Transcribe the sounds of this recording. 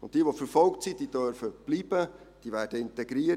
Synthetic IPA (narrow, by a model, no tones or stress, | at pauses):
ʊnt̚d̥iːʋofəɾfɔlktsid̥iːd̥øɾfəb̥liːb̥ə | d̥iːʋæːd̥əɪntɛɡɾiːə